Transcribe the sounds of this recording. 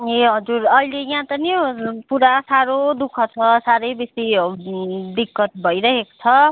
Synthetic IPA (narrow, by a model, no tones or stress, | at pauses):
eɦʌd͡zuɾʌjlejãt̪ʌnipuɾasaɾod̪ukʰʌt͡sʰʌsaɾʌjbesi | d̪ikːʌt̪̚bʱʌjɾʌɦeko̥t͡sʰʌ